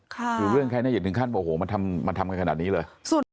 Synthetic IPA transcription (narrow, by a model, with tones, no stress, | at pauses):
kʰa˧˩ɾuː˨˩˦ɾɯ˥˩əŋkʰa˧jnaː˥˩˨ɯ˩˦kʰa˥˩nbɔː˨˩ʔo˧hoː˨˩˦ma˧nt̪ʰa˧mma˧nt̪ʰa˧mka˧nkʰa̰˨˩niː˦˥lɤː˧jsu˨˩